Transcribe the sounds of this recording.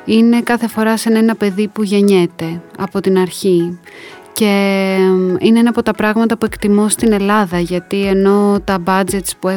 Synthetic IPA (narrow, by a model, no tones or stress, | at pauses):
ine̞kɐθe̞fo̞ɾɐsenɐenɐpe̞ðipuʝe̞ɲe̞t̪e̞ɐpo̞t̪inɐɾçi | ce̞ | ineenɐːpo̞t̪ɐpɾɐɣmɐt̪ɐpue̞kt̪imost̪ine̞lɐðɐʝɐt̪ie̞no̞t̪ɐbɐd͡ze̞t̪spue